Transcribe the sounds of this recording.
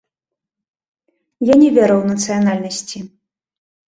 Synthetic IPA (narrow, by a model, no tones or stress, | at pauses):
janʲɛvʲɛɾɐwnɐt̪sɨjanalʲnɐsʲt͡sʲi